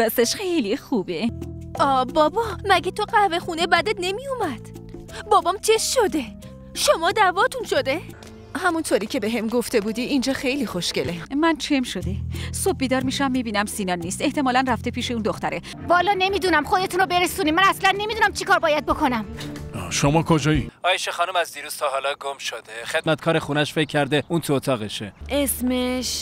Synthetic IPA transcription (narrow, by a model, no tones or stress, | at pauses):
b̥æseʃxejlixuːbeɒːbɒːbɒmæɟet̪ʰoɢæve̞xuːnebæd̪et̪̚ne̞mijumæd̪̥bɒːbɒmt͡ʃʰeʃʃod̪e | ʃomɒːd̪ævɒːt̪ʰunʃo̞d̪e | hæmunt̪ʰoːɾiːkcʰe̞be̞ɦemɡoft̪ʰe̞buːd̪iːʔind͡ʒɒːxe̞jlixoʃcelemænt͡ʃʰemʃod̪e̞sob̚biːd̪ɒːɾmiːʃæmːiːbiːnæmsiːnɒːnːiːst̪e̞ht̪ʰemɒːlænræft̪e̞pʰiːʃeuːnd̪oxt̪æɾe | vɒːlɒːne̞miːd̪uːnæmxod̪e̞t̪ʰuːnobe̞ɾesuːniːmænæslænːe̞mid̪uːnæmt͡ʃʰikʰɒːɾbɒːjæd̪̚bokʰo̞næmʃomɒːkʰod͡ʒɒiɒːjeʃexɒːnumæzd̪iːɾuːz̥t̪ʰɒːɦɒːlɒɡomʃod̪eχe̞d̪̚mæt̪kʰɒːɾexunæʃfe̞cʰːæɾd̪eʔunt̪ʰuot̪ʰɒːɣeʃeʔesmeʃ